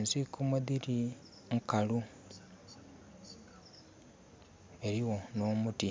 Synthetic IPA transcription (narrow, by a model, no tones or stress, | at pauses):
nzikumuðiɾi | ŋkalu | e̞ɾiwo̞no̞ːmuti